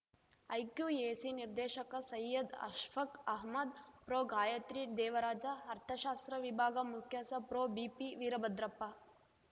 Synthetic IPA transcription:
ɐjkjuːeːsiniɾd̪eːʃɐkɐsɐjːɐd̪ɐ̰ʃfʰɐkɐɦmɐd̪pɾoːɡaːjɐt̪ɾid̪ɛːʋɐɾaːd͡ʒɐɐɾt̪ʰɐʃaːst̪ɾɐʋibʱaːɡɐmukʰjɐsɐpɾoːbiːpiʋiːɾɐbɐd̪ɾɐpːa

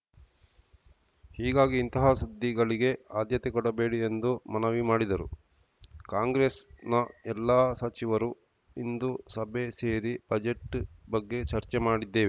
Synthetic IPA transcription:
hiːɡaːɡiːnt̪ɐɦɐsud̪ʱːiɡɐɭiɡe̞aːd̪jɐt̪ekɔɽɐbe̞ːɽiend̪umɐnɐʋimaːɽid̪ɐɾṵ | kaːŋɡɾeːsnɐɛlːaːsɐt͡ʃiʋɐɾu | ind̪usɐbʱe̞se̞ːɾib̥ɐd͡ʒe̞ʈbɐɡːe̞t͡ʃɐɾt͡ʃemaːɽid̪ːe̞ːʋe

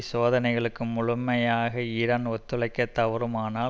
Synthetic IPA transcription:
soːðɐnɐɪɣɐɭɯkːɯmʊɻʊmːɐjaːɣɐɪɾɐnɔt̪ːɯɭɐɪkːɐt̪ːɐʋɐɾɯmaːnaː

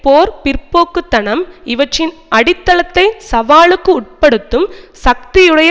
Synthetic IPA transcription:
poːɾpɪɾpoːkːɯt̪ːɐnɐmɪʋɐʈrɪnʔɐɽɪt̪ːɐlɐt̪ːɐɪsɐʋaːɭɯkːɯʊʈ̚pɐɽɯt̪ːɯmsɐk̚t̪ɪjɯɽɐjɐ

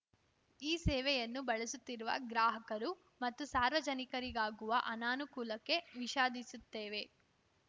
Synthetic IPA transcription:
iːsɛːʋɛjɐnːubɐɭesut̪ːiɾuʋɐ̰ɡɾaːɦɐkɐɾu | mɐt̪ːusaːɾʋɐd͡ʒɐnikɐɾiɡaːɡuʋɐʔɐnaːnukuːlɐkːe̞ʋiʃaːd̪isut̪ːeːʋe̞

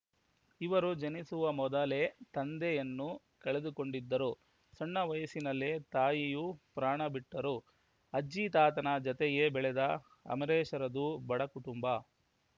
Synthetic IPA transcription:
iʋɐɾud͡ʒɐnisuʋɐmɔd̪ɐle̞t̪ɐnd̪ejɐnːu | kɐɭed̪uko̞ɳɖid̪ːɐɾu | sɐɳːɐʋɐjɐsinɐlːet̪aːjijupɾaːɳɐbiʈːɐɾu | ɐd͡ʒit̪aːt̪ɐnɐd͡ʒɐt̪ɛɡebɛɭɛd̪ɐ | ɐ̰mɐɾɛːʃɐɾɐd̪ubɐɽɐkuʈumbɐ

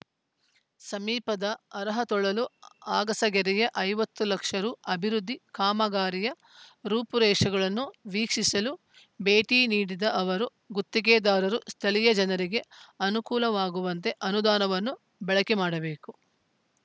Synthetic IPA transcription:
sɐmiːpɐd̪ɐːɾɐɦɐt̪ɔɭɐluaːɡɐsɐɡɛɾɛjɐʔɐjʋɐt̪ːulɐkʂɐɾuɐbʱiɾud̪ʱːikaːmɐɡaːɾijɐ | ɾuːpuɾɛːʂɐɡɐɭɐnːuʋiːkʂisɐlu | beːʈiːniːɽid̪ɐʔɐʋɐɾu | ɡut̪ːiɡeːd̪aːɾɐɾust̪ʰɐlijɐd͡ʒɐnɐɾiɡe̞ɐnukuːlɐʋaːɡuʋɐnt̪e̞ʔɐnud̪aːnɐʋɐnːu | bɛɭɐkɛmaːɽɐbeːku

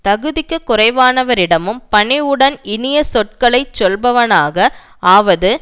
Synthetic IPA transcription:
t̪ɐɣɯðɪkːɯkːʊrɐɪʋaːnɐʋɐɾɪɽɐmɯmpɐɳɪɯɽɐnɪnɪjɐsɔʈ̚kɐɭɐɪt͡ʃːɔlbɐʋɐnaːɣɐ | aːʋɐðɯ

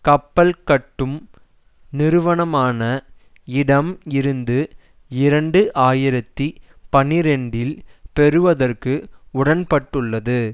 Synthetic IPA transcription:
kɐpːɐlkɐʈːɯm | nɪɾɯʋɐɳɐmaːnɐ | ɪɽɐmɪɾɯnd̪ɯ | ɪɾɐɳɖɯʔaːjɪɾɐt̪ːi | pɐnɪɾɛɳɖɪlpɛɾɯʋɐðɐrkɯʊɽɐnpɐʈːɯɭːɐðɯ

